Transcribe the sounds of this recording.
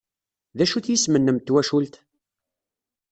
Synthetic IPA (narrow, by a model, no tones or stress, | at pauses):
ðæʃuθjismənːəmt̪ːwæʃult̪